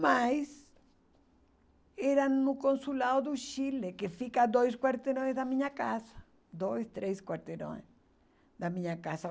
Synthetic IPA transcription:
majs | eɾanʊkõnsulawðʊʃilekefikad̪ojs̬kwaɾt̪eɾõjzðamĩɲakasɐ̥ | d̪ojst̪ɾejskwaɾt̪eɾõ̰s | d̪ɐmĩɲakasa

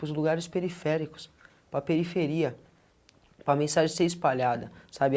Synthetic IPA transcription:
ʊzluɡaɾɪspeɾifɛɾikʊ̥s | pɾɐpeɾifeɾiɐ | pɾɐmẽsaʒẽseɾispaʎad̪ɐsabɪ

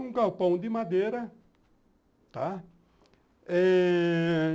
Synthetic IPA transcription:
ũkawpɐ̃w̃d̪ɪmad̪eɾɐ | t̪a | ɛ

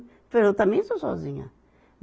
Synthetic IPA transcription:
pezewt̪ɐ̃mẽj̃sosɔ̰zĩɲɐ̰ | m

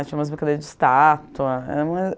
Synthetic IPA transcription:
t͡ʃĩɐ̃mɐzbɪkad̪eɾɐzd͡ʒɪ̥st̪at̪uɐɛ̰ɾũmɐ

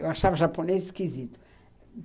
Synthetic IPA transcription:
ewaʃavɐʒaponezʃkizit̪ʊ̥

